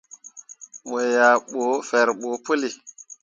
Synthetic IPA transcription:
we˨ja˨ɓo˨˦fe˨ɾɓo˨pu˦li˨

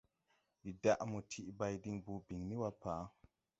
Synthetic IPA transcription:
di˨da˦˨ʔmu˨tʰi˨ʔba˧jdi˧˦ŋbu˧˨bi˨ŋni˦wa˧paː˨˦

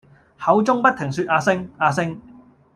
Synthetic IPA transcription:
hɐ˨˥wt͡sʊ˥ŋpɐ˥t̚t̪ʰɪ˨˩ŋsyː˧t̚ʔaː˧sɪ˥ŋaː˧sɪ˥ŋ

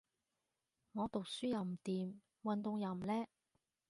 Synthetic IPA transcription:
ŋɔː˨˧t̪ʊ˨k̚syː˥jɐ˨˧wm̩˨˩t̪iː˨m | wɐ˨nt̪ʊ˨˧ŋjɐ˨˧m̩˨˩lɛː˥

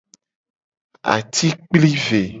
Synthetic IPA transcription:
a̰˨t̪i˦k͡pli˦ve˨

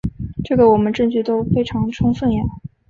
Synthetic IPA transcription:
ʈ͡ʂɤ˥˩ɡə˩wɔ˨˩mə˦nʈ͡ʂɤ˥˧ŋt͡ɕy˥˩t̪o˥ʊfe˥ɪʈ͡ʂʰɑ˧˥ŋʈ͡ʂʰʊ˥ŋswə˥˩njɛ˨˩

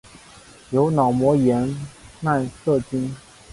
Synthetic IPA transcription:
jo˧˥ʊnɑ˨˩ʊmwɔ˧˥jɛ˧˥nna˥˧nsɤ˥˩t͡ɕi˥n

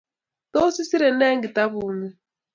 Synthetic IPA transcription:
to˦si˦si˦ɾɛ˨nɛː˦ŋɡi˨ta˦βuː˨˦mɛ˦

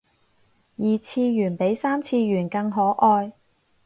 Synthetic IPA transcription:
jiː˨t͡sʰiː˧jyː˨˩npe˨˥jsaː˥mt͡sʰiː˧ɥyː˨˩nkɐ˧ŋɦɔː˨˥ʔɔː˧j

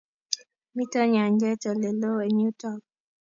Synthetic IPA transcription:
mi˦tɔ˦ɲa˨ɲd͡ʒɛ˦tɔ˨le˨lo˦e˨ɲu˦tɔ˦˨k̚

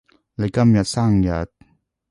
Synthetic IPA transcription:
la˨ka˦˥mja˨tsa˥˨ŋja˨t̪̚

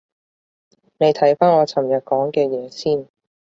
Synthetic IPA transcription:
ne˨˧jt̪ʰɐ˨˥jfaː˥nɔː˨˧t͡sʰɐ˨˩mjɐ˨t̚kɔː˨˥ŋkɛː˧jɛː˨˧siː˥˩n

